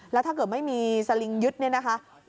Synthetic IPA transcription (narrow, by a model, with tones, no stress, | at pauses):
lɛː˦˥wt̪ʰa˥˩kɤː˨˩t̪̚ma˥˩jmiː˧sa˧li˧ŋjɯ˦˥t̪̚ni˥˩na˦˥kʰa˦˥